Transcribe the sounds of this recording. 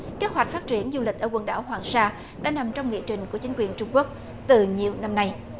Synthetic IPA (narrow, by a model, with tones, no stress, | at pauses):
ke˦˥t̚ɦwa˨˩jk̟̚faː˦˥t̚t͡ɕi˧˩ənzu˧lï˨˩k̟̚ʔəː˧˩wə˨˧˩nɗa̰ː˧˩whwaː˨˩ŋsaː˧ | ɗa̰ː˧˥na˨˩mt͡ɕɔ˧wŋ͡mŋḭ˧˨ət͡ɕï˨˩ŋ̟ku˧˩ət͡ɕi˨˦ŋ̟kwi˨˩ənt͡ɕʊ˧ŋ͡mku˦˥ək̚ | t̪ɨ˨˩ɲi˨˩əwna˧mna˧j